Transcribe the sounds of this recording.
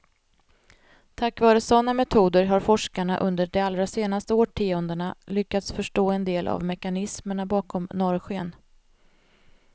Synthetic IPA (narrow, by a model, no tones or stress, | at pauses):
t̪ʰakːvɑːɾəsɔnːamɛt̪ʰuːd̪əɾɦaɾfɔʂkaɳaʔɵnd̪əɖɛalːɾaseːnast̪əoːʈʰiːɔnd̪əɳalʏkːat̪sfœʂʈoːɛnd̪eːlʔa̰vmɛkanɪsməɳabɑːkʰɔmnɔɾɧeən